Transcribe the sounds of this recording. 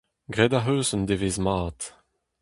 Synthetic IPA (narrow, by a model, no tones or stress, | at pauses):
ɡʁɛdaɦøːzənd̪eveːzmaːt